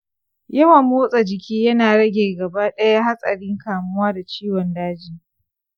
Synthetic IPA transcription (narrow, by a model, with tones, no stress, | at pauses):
jɐ˦wa˨mːoː˦sʼa˨d͡ʒɪ˨kʲiː˦jɐ˦naː˨ɽɐ˦ɡʲeː˨ɡɐ˨baː˦ɗɐ˦ja˦ɦa˦sʼɐ̰˨ɽɪ˦ŋkaː˨mʊ˦waː˦da˨t͡ʃiː˦wɔ˨ndaː˦d͡ʒiː˨